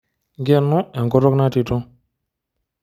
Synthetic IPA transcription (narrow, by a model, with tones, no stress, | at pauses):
ɡɛ˦˨nʊ˦ɛ˨ŋkɔ˦tɔ˦kna˦ti˨tʊ˦